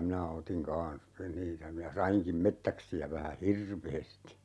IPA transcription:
minæ otiŋ kɑ̃ːs niːtæ minæ sɑiŋkim metːæksiæ ʋæhæ hirʋeːsti

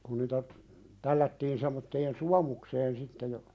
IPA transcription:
kun niːtæ tælːætːiːn semːotːeːn suɑmukseːn sitːe jɑ

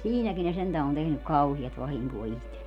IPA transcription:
siːnækin ne sentæ on tehnyk kɑuhiɑst ʋɑhiŋkoː ihtelːie

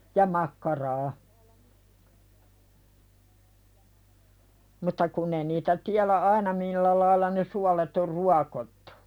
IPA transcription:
jɑ mɑkːɑrɑː mutːɑ kunː ei niːtæ tiælæ ɑinɑ milːæ lɑilːɑ ne suɑlet or ruɑkotːu̥

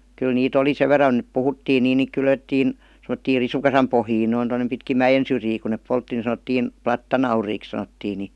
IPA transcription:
kyl niːt oli seʋ ʋerˑɑn et puhutːiːn niːn niːk kylʋetːiːn semə̆tːiːr risukɑsɑm pohjiːn noin tonːem pitkim mæjen syrjiː ku neˑp poltːi ni sɑnə̆tːiːn plɑtːɑnɑuriːks sɑnotːiː ni

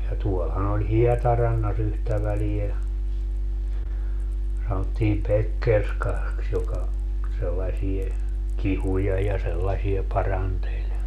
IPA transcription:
jɑ tuolhɑn olʲ hiɛtɑrɑnːɑs yhtæ ʋælie sɑnotːiːm pekːerskɑks jokɑ selːɑsie kihujɑ jɑ selːɑsie pɑrɑntelʲ

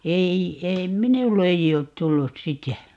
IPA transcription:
ei ei minulː ei oːt tulːus sitæ

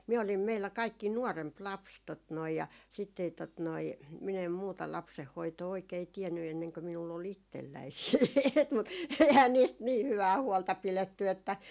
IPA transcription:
miæ olim meilːæ kɑikːi nuɔremp lɑps tot noi jɑ sitː ei tot noi min em muːtɑ lɑpsehːoitoː oikei tiɛnːy enːeŋkø minulː ol itːelːæi siːt mut ehæn niːst niː hyʋæː huoltɑ piletːy etːæ

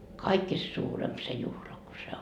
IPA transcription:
kɑikːist suːremp se juhlɑ ku se

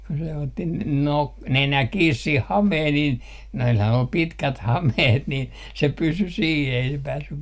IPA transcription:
kun se otːi n nok nenæ kiːs sih hɑmeːh niːn noilhɑn ol pitkæt hɑmeht nin se pysy siː ei se pæːsːy

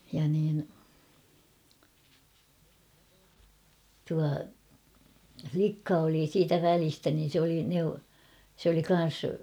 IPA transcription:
jɑ niːn tuɑ flikːɑ oli siːtæ ʋælistæ niːn̞ sĕ oli neu sĕ oli kɑn̞s

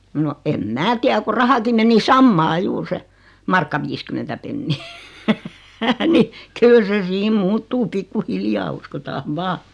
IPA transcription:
no em mæː tiæ ku rɑhɑki meni sɑmːɑː juːr se mɑrkːɑ ʋiːskymentæ penːiː ni kyl se siːm muːtːuː pikːuhiljɑː uskotɑːʋ ʋɑː

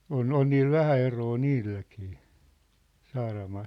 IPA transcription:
on on niːl ʋæhæ eroː niːlːækiː sɑːrɑmɑːl

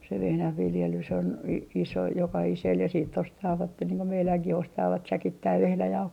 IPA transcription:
se ʋehnæhʋiljelys on i iso jokɑhisel jɑ siːtː ostɑːʋɑtːe niːŋ ko meilæŋkih ostɑːʋɑt sækitːæiʋ ʋehnæjɑuhoi

